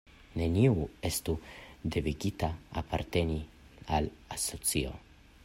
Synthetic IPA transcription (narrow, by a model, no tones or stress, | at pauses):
ne̞niue̞st̪ud̪eviɡit̪aa̰pʰa̰ɾt̪e̞ni | alaso̞t͡sio̞̰